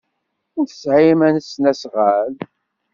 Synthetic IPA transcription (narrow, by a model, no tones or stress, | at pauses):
ænθə̥sʕimænəsnæsʁəl